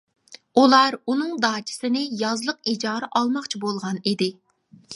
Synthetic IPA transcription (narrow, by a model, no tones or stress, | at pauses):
ulˠɑɾunɨŋd̪ɑːt͡ʃʰi̥sɪnɪjɑzlˠəqid͡ʒɑːɾɨʔɑlˠmɑχt͡ʃʰibolˠʁɑnid̪ɪ